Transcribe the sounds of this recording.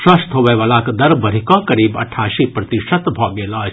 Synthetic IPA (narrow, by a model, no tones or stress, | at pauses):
sɐst̪ɦoʋeːʋalaːkd̪ɐɾbɐɾikɔ̃ːkɐɾiːbɐ̰ʈʰːaːʃipɾɐt̪iʃət̪bʱɔːɡeːlɔː